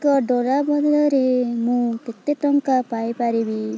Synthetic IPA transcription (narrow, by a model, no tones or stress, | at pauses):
kɔɖɔɽabɔd̪lɔɾemũket̪eʈɔŋkapajpaɾibi